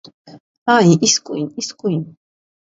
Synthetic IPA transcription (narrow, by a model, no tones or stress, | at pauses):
aiʔiskʼuiniskʼujn